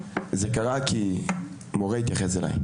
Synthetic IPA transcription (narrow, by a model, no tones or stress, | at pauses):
zekaʁakʰi | moʁeit̪jaχesela̰j